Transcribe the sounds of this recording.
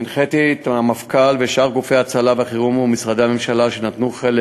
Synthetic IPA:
nχet̪it̪amafkalveʃaʁɡufejat͡salaveaχiʁumumisʁad̪eame̞mʃalaʃe̞nat̪nuχele

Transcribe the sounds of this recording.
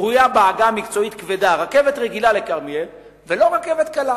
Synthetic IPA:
ʁujabaːɡamikt͡so̞it̪kved̪aʁakevet̪ʁeɡilalekaʁmiev | velo̞ʁakevet̪kala

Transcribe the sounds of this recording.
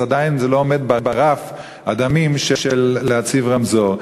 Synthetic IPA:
ad̪ainzeloomed̪̚babaʁaf | ad̪amimʃeʃelːeat͡sivʁamzoʁ

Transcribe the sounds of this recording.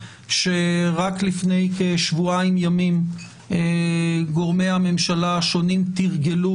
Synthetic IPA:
ʃeʁaklifne̞jkeʃvuaimjamim | eɡoʁmejhame̞mʃalaːʃonimt̪iʁɡe̞lu

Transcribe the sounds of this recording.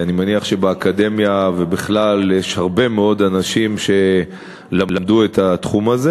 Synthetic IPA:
animaniaχʃe̞beakad̪e̞mjavebiχlaljeʃhaʁbe̞meo̞d̪anaʃimʃe̞ | lalamd̪uet̪at̪χumaze

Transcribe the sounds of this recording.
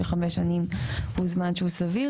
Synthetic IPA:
eχameʃanimhuzmanʃehusavi

